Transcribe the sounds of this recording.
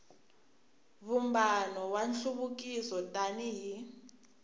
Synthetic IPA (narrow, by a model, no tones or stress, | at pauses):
βumbanɔwanɬuβukʼisɔtʼaniɦi